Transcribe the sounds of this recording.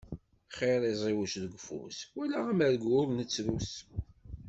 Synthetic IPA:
χeɾˤizˤiwəʃðəɡʷfṵswælaʁæməɾɡʊɾnət͡sːɾus

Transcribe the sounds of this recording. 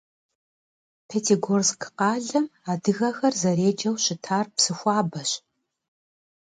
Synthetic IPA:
pʰetʰeɡorzkʰqɑːɮɐmaːdɨɣɐxɐrzɐɾeːd͡ʒɐwɕɪtʰaːrpsɨxʷɑːbɐɕ

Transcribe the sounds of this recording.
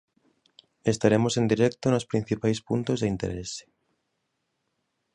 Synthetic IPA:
est̪aɾemosend̪iɾɛkt̪onospɾĩn̟θipajspunt̪ozðeint̪eɾese̥

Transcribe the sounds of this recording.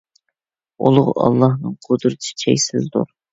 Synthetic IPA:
olˠʊʁ̰ɑ̰lˠːɑhnɨŋqʰod̪ɾɨt̪ʰsɪ̥t͡ʃʰɛjʲsɪzd̪ṵɾ

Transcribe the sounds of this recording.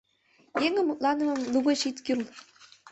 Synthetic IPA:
jeŋɘ̆mut̪lˠɑnɤ̆mɤ̆mluɣɤ̆ɕit̪kʲyl

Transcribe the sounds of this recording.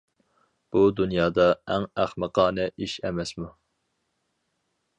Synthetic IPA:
b̥ud̪unjɑːd̪ɑæŋæχməqʰɑːnɛʔiʃɛ̰mɛsmu

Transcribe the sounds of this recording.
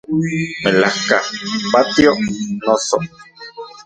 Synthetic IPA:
melahka̰pat̪joʔnoso

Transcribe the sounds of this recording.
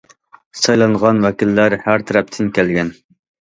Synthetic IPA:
sɑjlˠɑɴʁɑnwɛkʲilːæɾhæɾt̪ʰɛɾɛp̚t̪ʰɪnkʲʰælɡʲɛn

